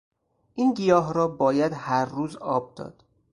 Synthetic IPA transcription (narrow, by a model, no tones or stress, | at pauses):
ʔiːnɡijɒːɦɾɒːbɒːjæd̪hæɾːuːzɒːb̚d̪ɒ̰ːd̪̥